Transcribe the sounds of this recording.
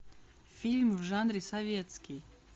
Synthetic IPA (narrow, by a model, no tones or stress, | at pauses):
fʲilʲmvʐanɾʲɪsɐvʲet̪skʲɪj